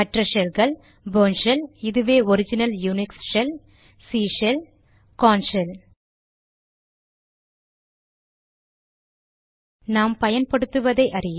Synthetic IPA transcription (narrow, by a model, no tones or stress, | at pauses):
ɐʈrɐʂɛlɣɐɭ | boːnʂɐlɪðɯʋeːɔɾɪd͡ʒɪnɐljunɪksʂɛl | siːʂɐl | kaːnsɐl | naːmpɐjɐnpɐɽɯt̪ːɯʋɐðɐɪʔɐɾɪj